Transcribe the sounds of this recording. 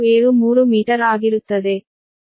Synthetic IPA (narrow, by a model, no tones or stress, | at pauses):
eːɾumuːɾumiːʈɐɾaːɡiɾut̪ːɐd̪e